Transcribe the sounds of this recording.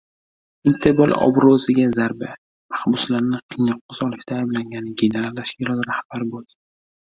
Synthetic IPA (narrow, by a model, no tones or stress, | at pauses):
int̪ʰeɾbɒlˠɒ̰bɾozɪɡʲazaɾba | mahbʊslaɾnɪqʰɨjnɒqːʊzɒlɪʃt̪ʰaːjblaŋɡʲanɪɡʲeneɾalːaʃɪɾɒnɾahb̥aɾbold̪